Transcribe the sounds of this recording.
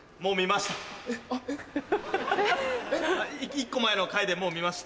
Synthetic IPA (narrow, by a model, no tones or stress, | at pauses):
mo̞ːmʲimaɕi̥t̪ḁ | ikikːo̞mae̞no̞kaid̪e̞mo̞ːmʲimaɕi̥t̪